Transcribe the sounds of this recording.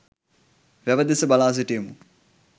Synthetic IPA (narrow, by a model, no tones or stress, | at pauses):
ʋæʋəd̪esəbalaːs̬iʈejːmu